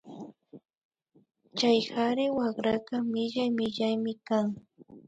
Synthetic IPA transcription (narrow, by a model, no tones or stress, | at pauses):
t͡ʃajhaɾɪwaχɾakamɪʎajmɪʎajmɪkaŋ